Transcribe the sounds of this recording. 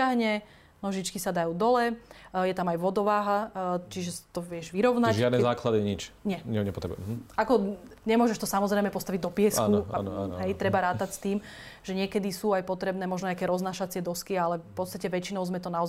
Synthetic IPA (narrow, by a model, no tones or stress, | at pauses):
aɦɲɛ | nɔʒit͡ʃkisad̪ajuːd̪ɔlɛjɛt̪amajʋɔd̪ɔʋaːɦat͡ʃiʒɛst̪ɔʋjɛʒʋiɾɔʊnaʒɪad̪nɛzaːklad̪iɲit͡ʃɲɛɲɛɲɛpɔt̪ɾɛbṵakɔɲɛmʊɔʒɛʃt̪ɔsamɔzɾɛjmɛpɔst̪aʋiɟd̪ɔpɪɛskakua̰nɔ̰an̰ɦɛjt̪ɾɛbaɾaːt̪acst̪iːm | ʒ̥ɛɲɪɛkɛd̪isuːajpɔt̪ɾɛbnɛːmɔʒnɔɲakɛːɾɔznaːʃat͡sɪɛd̪ɔskialɛfpɔt̪st̪acɛʋɛt͡ʃinɔʊzmɛt̪ɔnaɔz